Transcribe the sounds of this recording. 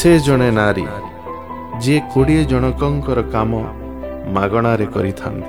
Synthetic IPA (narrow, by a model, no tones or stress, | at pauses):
sed͡ʒɔɽ̃enaɾḭ | d͡ʒekoɽied͡ʒɔɽ̃ɔkɔŋkɔɾɔkamɔ | maɡɔɽ̃aɾekɔɾit̪ʰa̰nt̪i̥